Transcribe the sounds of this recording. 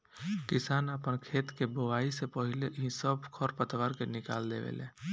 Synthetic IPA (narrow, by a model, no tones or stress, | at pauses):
kɪsaːnəpənkʰeːt̪keboʋaːisepəɦɪleɦĩsəbkʰɔɾpət̪ʋaːɾkenɪka̰ːld̪ḛʋḛleː